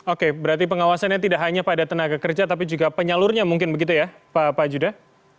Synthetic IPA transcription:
okebəɾart̪ipəŋawasanjat̪idaʔɦaɲapadat̪ənaɡakərd͡ʒat̪ap̬id͡ʒuɡapəɲalʊrɲamuŋkɪnbəɡit̪uja | papad͡ʒuda

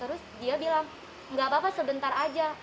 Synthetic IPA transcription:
t̪əɾʊsdiabilaŋ | ŋɡabapasəbənt̪arad͡ʒa

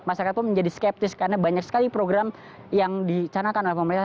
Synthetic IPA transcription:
masaɾkat̪̚pʊnməɲd͡ʒadiskɛp̚t̪ɪskarnabaɲaksə̥kalipɾoɡɾam | jaŋdit͡ʃanakanolɛhpəməɾina

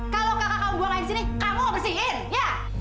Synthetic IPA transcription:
kalokakakamuɡuaŋaidis̬inikamuabərsiɪnja

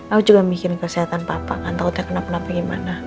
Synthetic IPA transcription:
aud͡ʒuɡamikɪrkəsiɦat̪anpapa̰kant̪aut̪ɲakənap̚ənapaɡima̰na

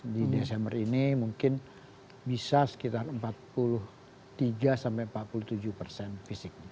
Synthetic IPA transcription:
didesɛmbərinimuŋkɪn | bisasə̥kit̪arəmpat̪̚pulʊh | t̪iɡasampajəmpat̪̚puluht̪ud͡ʒuhpərsɛnfisɪk̚ɲa

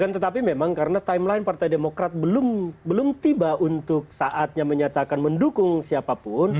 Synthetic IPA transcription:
ant̪ət̪ap̬imemaŋkaɾənat̪aɪmlaɪnpart̪ajdemokɾat̪̚bəlʊmbəlʊmt̪ibaunt̪ʊk̚saʔat̪̚ɲaməɲat̪akanməndukʊŋsiapapʊn

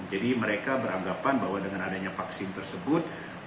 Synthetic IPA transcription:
d͡ʒadiməɾekabəɾaŋɡapanbaɦwadəŋanadaɲafaksɪnt̪ərsəbʊt̪̚

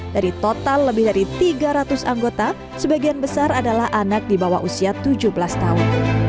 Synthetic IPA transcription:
daɾit̪ot̪alːəbɪhdaɾit̪iɡaɾat̪ʊsaŋɡot̪a | səbaɡianbəsaɾadalahʔanak̚dibawa̰ɦʔusiat̪ud͡ʒubəlast̪aʊn

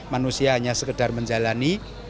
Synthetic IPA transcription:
manusiaɦaɲasəkəd̥arməɲd͡ʒalani

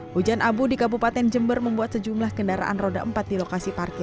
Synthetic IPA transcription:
ʔud͡ʒanʔabudikabupat̪ɛnd͡ʒəmbərməmbuat̪̚səd͡ʒumlahkəndaɾa̰ʔa̰nroda̰ʔəmpat̪̚dilokasiparkɛ

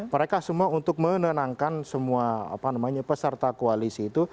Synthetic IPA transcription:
məɾekasəmuaunt̪ʊk̚mənənaŋkansəmuaa̰panamaɲapəsərt̪akoalisiːt̪u

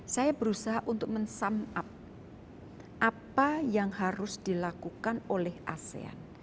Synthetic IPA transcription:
sajab̥əɾusaɦaʔunt̪ʊk̚mənsamap̚ | ʔapajaŋhaɾʊsd̪̥ilakukanolɛhʔa̰sḛa̰n

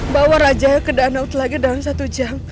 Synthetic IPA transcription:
bawaɾad͡ʒajakədaːnaut̪laɡidalamsat̪ud͡ʒam

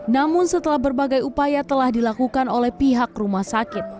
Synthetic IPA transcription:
namʊnsət̪əlahbərbaɡajupajat̪əlahdilakukanolɛhpiɦakrumahsakɪt̪̚

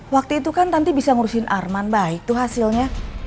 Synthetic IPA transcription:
wak̚t̪uit̪ukant̪ant̪ibisaŋuɾusɪnʔarmanbaɪk̚t̪ʊhɦasilɲa

